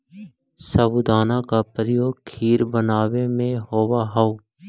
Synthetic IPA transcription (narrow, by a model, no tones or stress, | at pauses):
səbʊd̪aːnakapɾəjoːɡkʰiːɾbənaːwemẽɦoːwaɦao